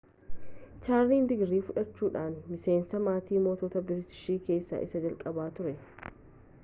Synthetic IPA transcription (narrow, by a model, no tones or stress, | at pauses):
t͡ʃaːɾliːnd̪ɪɡɾiːfʊᶑɐt͡ʃːuːᶑaːnmɪse̞ːnsɐmaːt̪iːmo̞ːt̪ɔːt̪ɐbɪɾɪt̪ɪ̥ʃiːke̞ːsːa̰ːʔɪ̰sɐd͡ʒɐlkʼɐbaːt̪ʊɾɛ